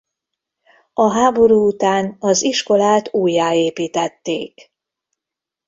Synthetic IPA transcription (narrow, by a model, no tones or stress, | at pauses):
ɒɦaːbo̞ɾuːut̪aːnɒziʃko̞laːt̪uːjːaːeːpiːt̪ɛt̪ːeːk